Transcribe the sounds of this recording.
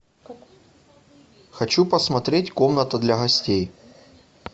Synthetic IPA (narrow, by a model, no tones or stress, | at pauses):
xɐt͡ɕupəsmɐt̪ɾʲetʲkomnət̪əd̪lʲɐɣɐsʲtʲej